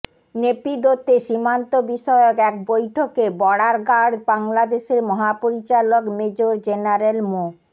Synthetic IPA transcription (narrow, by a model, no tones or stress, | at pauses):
nepid̪ot̪ːeʃimant̪obiʃɔeokɛk̚bojʈʰokebɔɽaɾɡaɽbaŋlad̪eʃeɾmɔɦapoɾit͡ɕalokmed͡ʑoɾd͡ʑenaɾelmo